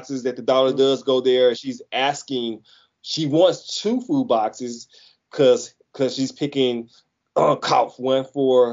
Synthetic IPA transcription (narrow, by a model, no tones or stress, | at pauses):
ksɨzðɨt̪̚ðɨdɔlˠə˞dʌzɡoʊðə˞ɨ̃nʃizæskɪ̃ŋ | ʃiwɑ̃ntstʰufud̚bɑksɪz̥ | kʰʌz̥ | kʰʌz̥ʃiz̥pʰɪkɪ̃ŋ | ʌkʰɑ̰ʊfwʌ̃nfə˞